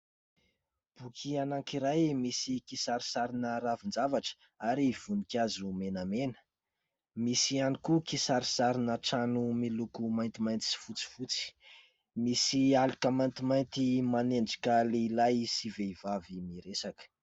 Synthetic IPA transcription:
b̥ukʰianaŋkiɾajmisikisaɾisaɾinəɾavind͡zavaʈ͡ʂə̥ | aɾiv̥unikʲazumenamenə̥ | misianikukisaɾisaɾinəʈ͡ʂanumilukumajnt̪imajnt̪i̥si̥fut͡si̥fut͡si̥ | misialikəmajnt̪imajnt̪imaneɳɖ͡ʐi̥kəleilajsiveivavimiɾesakə̥

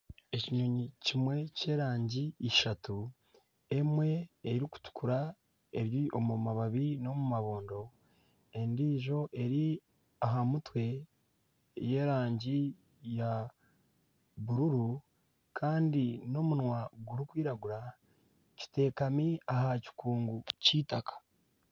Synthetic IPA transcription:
e̞ciɲoɲicimwe̞ce̞ːɾaːɲɟiːʃatu | e̞mwe̞eiɾiku̥tu̥kuɾa | e̞ɾjiʔo̞mumaβaβino̞mumaβo̞ːndo̞ | e̞ndiːʒo̞ʔe̞ɾi | aɦamutwe̞ | je̞ɾaːɲɟi | ja | βuɾuɾu | kʰaːndino̞munwaɡuɾikwiːɾaɡuɾa | ci̥te̞ːkamiahaci̥kuːŋɡuciːtakʰḁ

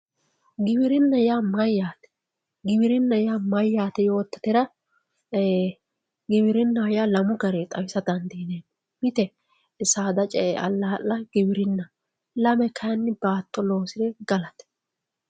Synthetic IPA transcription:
ɡɪbɪɾɪnːɐjaːmɐjːaːt̪ɛ̥ | ɡɪbɪɾɪnːɐjaːmɐjːaːt̪ɛjo̞ːt̪ːɐ̥t̪ɛɾɐ | ɡɪbɪɾɪnːɐjalɐmʊɡɐɾet̪ʼɐwɪsɐd̪ɐnd̪ineːn | mɪt̪ɛ | saːd̪ɐt͡ʃʼɛɐlːaːʔɐɡɪbɪɾɪnːɐ | lɐmɛkɐjɐnːɪbaːt̪ːɔlo̞ːsɪd̪ɛɡɐlɐt̪ɛ̥

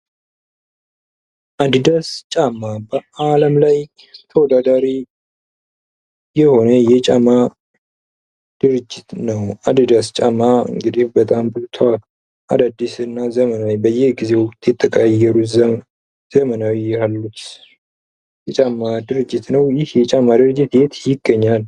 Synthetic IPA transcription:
ʔad̪d̪ast͡ʃʼamːabəaləmlaj | t̪ʰəwɔd̪ad̪aɾi | jɛho̞nəjɛt͡ʃʼama | d̪̥ɨɾɨd͡ʒːɪt̪nəwad̪ɨd̪ast͡ʃʼamaɨ̰ŋɡɨd̪ihbət̪ʼambɨlt̪ʰa | ʔa̰d̪ad̪ːisɨnːazəmənawibəjːɛɡize̞wkʼt̪ʰʼjɪt̪ʼːəkʼajːɛɾuzə | z̥əmənawijɛhalːut͡ʃː | jɛt͡ʃʼamːad̪ɨɾɨd͡ʒːɪt̪nəwjɪhjɛt͡ʃʼamːad̪ɨɾɨd͡ʒːɪt̪jɛt̪jɪɡːəɲːal

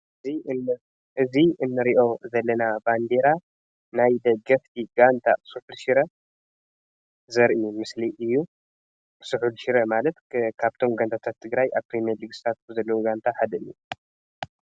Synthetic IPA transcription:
i | ʔɨziɨnːɨɾiʔo̞zɐlːɐnaband̪eɾa | najd̪ɐɡɐft̪ʰiɡant̪ʰa̰suħulʃiɾɐ | zɐɾʔiumɨsliʔɨjːu | sɨħulʃiɾɐmalɐt̪kʰaβt̪ʰo̞mɡant̪ʰat̪ʰat̪ʰːɨɡɾajʔaβpɾimieɐlɨɡst̪ʰat̪̚zɐlːɐwuɡant̪ʰaħad̪ɐʔɨju

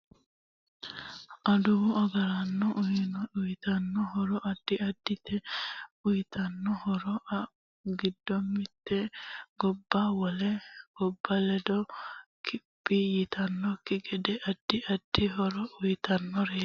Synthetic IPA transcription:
ʔɐd̪ʊwɔɐɡɐɾɐnːɔʔʊjnɔʊjt̪ɐnːɔɦɔɾɔʔɐd̪̥ːɪɐd̪ːɪt̪ʰːɛʊjt̪ʰɐnːɔhɔɾɔʔɐ | ɡɪd̪ːɔmːɪt̪ːɛɡɔbːawɔlɛɡ̥ɔbːɐlɛd̪ɔkʰɪpʼːijɪt̪ʰɐnːɔkːɪɡɛd̪ɛʔɐd̪̥ːɪʔɐd̪̥ːɪɦɔɾɔʔʊjt̪ɐnːɔɾeː

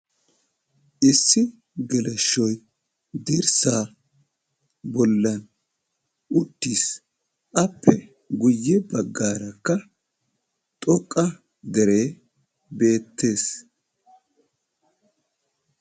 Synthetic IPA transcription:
ʔɪsːɪ | ɡɛlɛʃːɔj | d̪ɪɾsaː | bɔlːɐn | ʔʊt̪ːiːs | ʔɐpʰːɛ | ɡʊjːɛbɐɡːaːɾɐkːɐ | t̪ʼɔkʼːɐ | d̪ɛɾe̞ː | be̞ːt̪ːe̞ːs

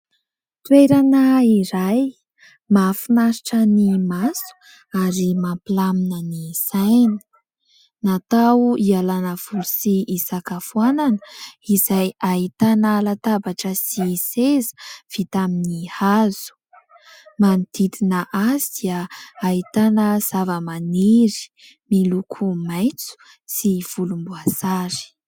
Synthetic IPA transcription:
t̪weɾanəiɾaj | mafinaɾiʈ͡ʂənimasu̥ | aɾimampilaminənisajnə̥ | nat̪awuialanəv̥ulusiʔisakafuananəizajait̪anəlat̪abaʈ͡ʂəsisezə̥v̥it̪aminihaz̥u̥ | mant̪it̪inəʔazid̪̥iəait̪anəz̥avəmaneɾi̥ | milukʰumajt͡su̥ | siv̥ulumbuasaɾi̥

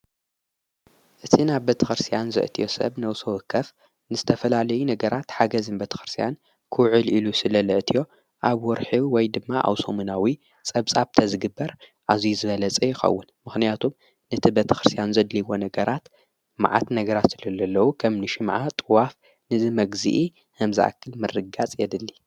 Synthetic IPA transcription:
ʔɨt̪ʰinaβbet̪ʰɐxɨɾst̪ʰijanzɨ̰ʔt̪ʰijo̞sɐ̰βnɐwsowɨkʰːɐf | nɨzɨt̪ʰɐfɐlalɐjunɐɡɐɾat̪ħaɡɐzɨnbet̪ʰɐ̥xɨɾst̪ʰijan | kʰɨwʕɨlilusɨlɐlɨʕt̪ʰijo̞ | ʔaβwɔɾħiwɔjd̪ɨmːaʔa̰wso̰mɨnawi | t͡sʼɐβt͡sʼaβt̪ʰɐzɨɡɨbːɐɾʔazijzɨβɐlɐt͡sʼɐjɪxɐ̰wːʊnmɨxnijat̪ʰum | nɨt̪ʰibet̪ʰɐ̥xɨɾɨst̪ʰijanzɐd̪liwo̞nɐɡɐɾat̪ | ma̰ʕa̰t̪nɐɡɐɾat̪ɨlɐlːɐlːɐwukʰɐmnɨʃɪmʕat̪ʼɨwaf | nɨzɨmɐɡzḭʔi | hɨmzɨʔa̰kʰːɨlmɨrːɨɡat͡sʼjɛd̪ɨlːi

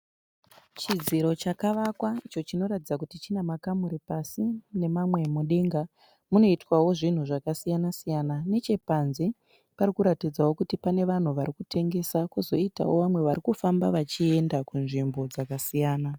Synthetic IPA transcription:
t͡ʃid͡ziɾo̞t͡ʃakaʋakwait͡ʃo̞t͡ʃino̞ɾatid͡zakutit͡ʃinamakamuɾipasine̞mamwe̞muɗeŋɡa | muno̞itwawo̞ʐin̤uʐakasijanasijanane̞t͡ʃe̞panze | paɾikuɾatid͡zawo̞kutipane̞ʋan̤uʋaɾikutʰe̞ŋɡe̞sakuzo̞ita̰wo̞ʋamwe̞ʋaɾikufambaʋat͡ʃie̞ndakunʐimbo̞d͡zakasijaːna

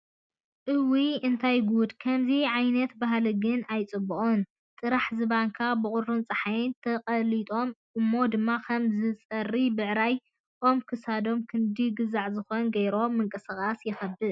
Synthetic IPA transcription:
ʔɨwiɨnt̪ʰajɡud̪kʰɐmziʕajnɐt̪baɦlɨɡɨnajt͡sʼɨbːuʔʼun | t̪ʼɨɾaħzɨβaŋkʰabɨkʼʊɾɾɨnt͡sʼɐħajnt̪ʰɐqʼɐlit̪ʼo̞mʔɨmːo̞d̪ɨmːakʰɐmzɨt͡sʼɐrːibɨʕɾaj | ʔo̞mkʰɨsad̪o̞mkʰɨnd̪iɡɨzaʕzɨxo̞nɡɐjɾo̞mɨŋkʼɨsaxʼasjɪxɐbɨd̪

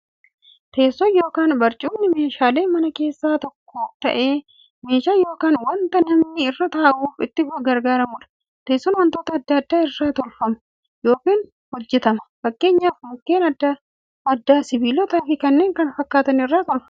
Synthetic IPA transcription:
t̪ʰe̞ːsːɔnjo̞ːkaːnbɐɾt͡ʃʼuːmnɪme̞ːʃaːle̞ːmɐnɐke̞ːsːaːt̪ɔkːot̪ɐ̰ʔe̞ː | me̞ːʃaːjo̞ːkaːnwɐnt̪ɐnɐmnɪɪrːɐt̪aːʔuːfɪt̪ːɪfʊɐɡɐɾɡaːɾɐmuᶑɐ̥ | t̪e̞ːsːɔnwɐnt̪oːt̪ɐd̪ːɐd̪ːaːɪrːaːt̪ɔlfɐmɐ̥ | jo̞ːkiːn | hɔd͡ʒːɛt̪ɐmɐfɐkːe̞ːɲːaːfmʊkːe̞ːnɐd̪ɐ | ɐd̪ːaːsɪbiːlɔːt̪aːfɪkɐnːeːŋkɐnfɐkːaːt̪ɐnɪrːaːk̪ɔlɐ

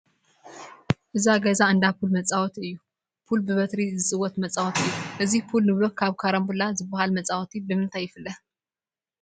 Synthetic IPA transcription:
ʔɨzaɡɐzaɨnd̪afulmɐt͡sʼawɔt̪ɨjːu | pʰulbɨβɐt̪ɾizɨsʼɨwːɔt̪mɐt͡sʼawɔt̪ɨjːuʔɨzifʰulnɨβlokʰːaβkʰaɾɐmbulazɨbahalmɐt͡sʼawt̪ʰibɨmɨnt̪ʰajːɪfɨlːɐ

